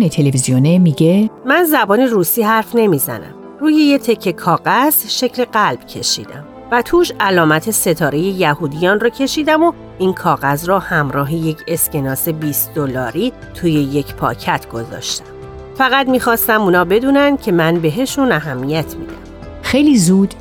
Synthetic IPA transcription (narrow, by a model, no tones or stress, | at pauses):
net̪ʰelevizionemiɟemænzæbɒːniruːsiːhæɾfne̞mizæ̰næ̰m | ruːje̞je̞t̪ʰe̞cʰːekʰɒːɣæz̥ʃe̞cʰle̞ɢælb̥̚cʰe̞ʃḭːd̪æ̰m | væt̪ʰuːʃælɒːmæt̪ʰe̞se̞t̪ʰɒːɾe̞je̞jæhuːd̪ijɒːnrɒːcʰe̞ʃiːd̪æmo̞ | inkʰɒːɣæzrɔːhæmɾɒːɦeje̞cʰe̞scʰe̞nɒːse̞biːst̪d̪̥olɒːɾiː | t̪ʰuːje̞je̞cʰpʰɒ̰ːcʰæt̪ʰɡ̥o̞zɒ̰ːʃt̪æ̥m | fæɣæd̪miːxɒːst̪æmuːnɒːbe̞d̪uːnænd̪̥̚cʰe̞mænbe̞ɦe̞ʃunæɦæmːijæt̪ʰmid̪æ̰m | xejliːzuːd̪̥